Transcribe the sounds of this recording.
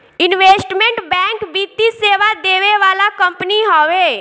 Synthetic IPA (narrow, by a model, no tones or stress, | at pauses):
ɪnʋeːsʈmɛ̃ɳʈbɛ̃ːŋkbiːt̪iseːʋad̪eːʋeʋaːlakə̃mpniɦoːʋeː